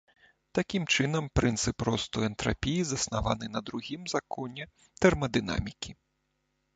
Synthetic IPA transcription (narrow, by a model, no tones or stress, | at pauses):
t̪akʲimt͡ʂɨnɐmpɾʔɨnt̪sɨpɾɔst̪ɔɛnt̪ɾa̰pʲijizɐsnavanɨnɐd̪ɾuɣʲimzakʰɔnʲɛ | t̪ɛrmɐd̪ɨna̰mʲikʲi